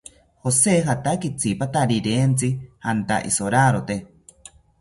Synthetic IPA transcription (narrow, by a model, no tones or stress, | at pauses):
hoseɦat̪akit͡sʰipat̪aɾiɾeːnt͡sihant̪a̰ʔḭsoɾaɾot̪e